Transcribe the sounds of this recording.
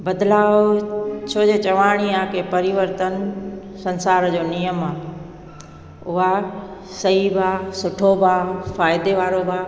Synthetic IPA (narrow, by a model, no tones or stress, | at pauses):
bɐd̪laːʋt͡ɕʰoːd͡ʑeːt͡ɕɐʋaːɽ̃iaːkʰeːpɐɾiʋəɾt̪ən | sɐ̃nsaːɾd͡ʑoːnijəmaː | ʊɦa | sɐɦibʱaːsʊʈʰobʱaːfaːɪd̪eʋaːɾobʱaː